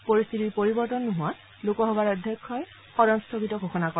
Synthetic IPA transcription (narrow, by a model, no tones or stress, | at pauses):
poɹist̪ʰitiɹpoɹibɔɹtɔnːʊɦʊ̃wa | lokɔɦɔbaɹɔdʱjɔkʰːɔj | xɔɾɔnstʰɔkitɔɡʱoxɔnakɔ